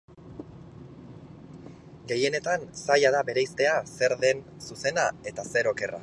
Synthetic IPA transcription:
ɡe̞je̞ne̞t̪ansajaðabe̞ɾejst̪e̞ase̞ɾðe̞nsuse̞nae̞t̪ase̞ɾo̞ke̞ra̰

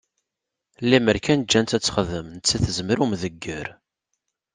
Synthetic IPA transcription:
liməɾkænd͡ʒːænt̪æt͡sːχəðəmnət͡sːæθəzməɾumðəɡːəɾ

